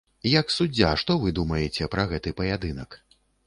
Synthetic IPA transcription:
jɐksud͡zʲːaʂt̪ɔvɨd̪umɐjɛt͡sʲɛpɾɐɣɛt̪ɨpɐjad̪ɨnɐk

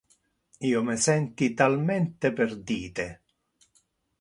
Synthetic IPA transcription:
iːomɪsɛnt̪it̪almɛnt̪eperd̪iːt̪e

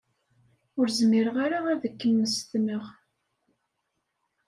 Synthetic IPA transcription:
ʊɾzmɪɾəʁaɾaæðəkːəmːəst̪məʁ

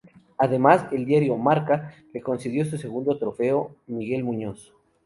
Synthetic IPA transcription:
aðe̞maze̞ld̪jaɾjo̞maɾkale̞ko̞nseð̞jo̞s̬use̞ɣund̪o̞t̪ɾo̞fe̞omiɣe̞lmũɲo̞s

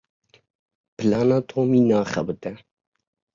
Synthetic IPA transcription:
pʰɨlɑːnɑːt̪ʰoːmiːnɑːχɛ̰bɨt̪ɛ

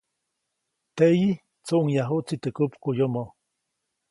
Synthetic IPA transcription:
t̪eʔji | t͡soʔuŋjaɦuʔt͡sit̪əkupkujomo

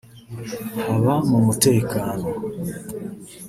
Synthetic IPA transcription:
haβamumute̞ːkaːno

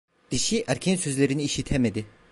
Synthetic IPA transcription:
d̪̥iʃiʔæɾkʰensøzlʲeɾiniːʃit̪ʰemed̪i

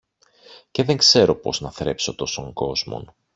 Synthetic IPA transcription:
ce̞ðe̞ŋkse̞ɾo̞po̞̰znɐθɾe̞pso̞t̪o̞so̞ŋɡo̞zmo̰n

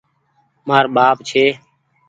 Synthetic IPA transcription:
maːɾɓaːpt͡ʃʰeː

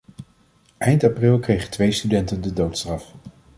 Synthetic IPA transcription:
ʔɛjntɑprɪlˠkrejχətʋejstydɛntəndədowtstrɑf

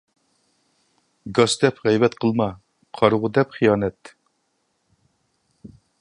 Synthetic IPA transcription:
ɡɑsd̪ɛpʁɛjvɛt̪qʰəlˠmɑ | qʰɑɾʁʊd̪ɛpχijɑːnɛt̪

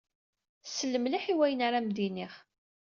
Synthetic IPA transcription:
səlːəmliħiwæjənaɾamd̪iniχ

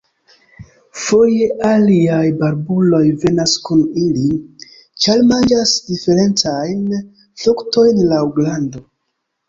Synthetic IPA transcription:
fo̞je̞ʔaliajbaɾbulo̞jve̞naskunili | t͡ʃalmand͡ʒasdife̞ɾe̞nt͡sajn | flukto̞jnlawɡlando̞

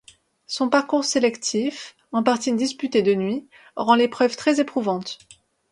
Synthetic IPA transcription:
sɔ̃paʁkuʁselɛkt̪ʰif | ɑ̃paʁt̪id̪ispyt̪ed̪ənɥi | ʁɑ̃lepχœvt̪χɛzepχuvɑ̃t̪

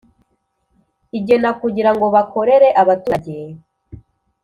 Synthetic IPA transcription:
iɟe̞nakuɟiɾaŋɡo̞βako̞ɾe̞ɾe̞ʔaβatuaɟe

